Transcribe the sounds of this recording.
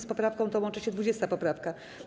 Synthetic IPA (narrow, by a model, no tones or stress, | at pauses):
spɔpɾafkɔ̃w̃t̪ɔwɔnt͡ʂɘɕɛd̪vud͡ʑɛst̪apɔpɾafka